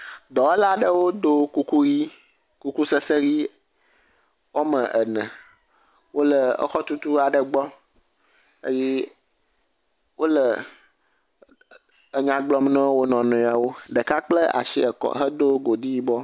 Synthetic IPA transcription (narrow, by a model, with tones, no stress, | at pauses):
d̪ɔ˨ɛ˦la˦ɖə˦wo˦d̪o˦ku˦ku˦ɣi˦ | ku˦ku˦sə˦sə˦ɣi˦ | wo˦mə̃˨ʔə˨nɛ̰̃˨ | wo˦lə˨ə̰˦xɔ˦t̪u˦t̪u˦a˨ɖə˨ɡ͡bɔ˦ | ḛ˦je˦ | wo˦lə˨ | ə˨ɲã˨ɡ͡blɔ˨mnɛ̃˦wo˦nɔ̃˨nɔ̃˨ja˨wo˦ɖə˨ka˦k͡plə˦a̰˨ʃḭ˦ə˨kɔ̰˨ɦə˦d̪o˦ɡo˨d̪i˦ji˦bɔ˦